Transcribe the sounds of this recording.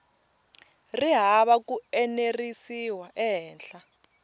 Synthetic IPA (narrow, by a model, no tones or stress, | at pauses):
riɦaɓak̬uɛnerisiwaʔɛɦɛːnɬa